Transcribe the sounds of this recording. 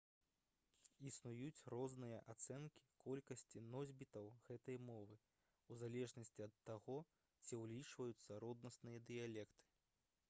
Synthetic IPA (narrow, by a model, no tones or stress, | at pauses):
isnujut͡sʲrɔznɨjɐʔat̪sɛnkʲi̥kɔlʲkɐsʲt͡sʲinɔzʲbʲit̪ɐwɣɛt̪ɐjmɔvɨ | uzalʲɛʐnɐsʲt͡sʲiɐt̪ːaɣɔ | t͡sʲiwlʲit͡ʂvɐjut̪sːɐɾɔd̪̚nɐsnɨjɐd̪ɨjalʲɛkt̪ɨ̥